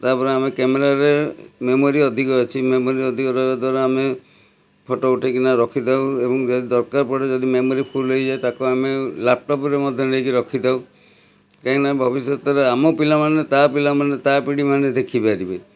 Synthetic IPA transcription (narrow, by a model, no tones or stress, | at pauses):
t̪apɔɾeamekemeɾaɾememoɾiɔd̪ʱikɔjt͡ʃʰimemoɾiɔd̪ʱikɔɾɔjbad̪waɾaame | pʰɔʈouʈʰekinaɾɔkʰid̪awebɔŋd͡ʒɔd̪id̪ɔɾkaɾpɔɽed͡ʒɔd̪imemoɾipʰulːojd͡ʒajt̪akuamelap̚ʈɔpɔɾemɔd̪ʱjɔnekiɾɔkʰid̪aw | kaĩnabʱɔbisjɔt̪ɔɾeamopilamanet̪apilamanet̪apiɽimaned̪ekʰibaɾibe